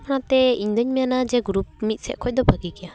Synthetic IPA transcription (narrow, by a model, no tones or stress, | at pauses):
kʰanat̪ɛiɲd̪ɯɲmijanad͡ʒɛɡuɾup̚mit̪̚sɛt̚kʰɔc̚d̪ɔbʱaɡikija